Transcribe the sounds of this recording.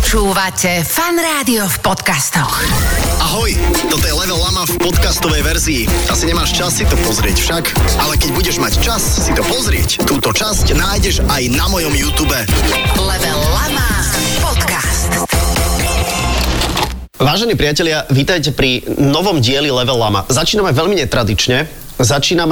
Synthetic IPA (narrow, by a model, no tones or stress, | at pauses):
t͡ʃuːʋacɛfanɾaːd̪iɔfpɔt̪kast̪ɔxʔaɦɔjt̪ɔt̪ɔjɛlɛʋɛlamafpɔt̪kast̪ɔʋɛjʋɛɾziːʔasiɲɛmaːʃt͡ʃasːit̪ɔpɔzɾɪɛcfʃakʔalɛkɛɟbuɟɛʒmact͡ʃasːit̪ɔpɔzɾɪɛct̪uːt̪ɔt͡ʃascnaːjɟɛʒajnamɔjɔmjuːt̪uːbɛlɛʋɛllamapɔt̪kast̪ | ʋaːʒɛniːpɾɪacɛʎɪaʋiːt̪ajcɛpɾinɔʋɔmɟɪɛlilɛʋɛlama̰zat͡ʃiːnamɛʋɛʎmiɲɛt̪ɾad̪it͡ʃɲɛ | zat͡ʃiːnam